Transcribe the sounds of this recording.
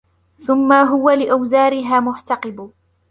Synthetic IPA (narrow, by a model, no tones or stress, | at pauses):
θʊmːaɦʊwalɪʔawzaːɾɪɦaːmʊʕt̪ɑqɨb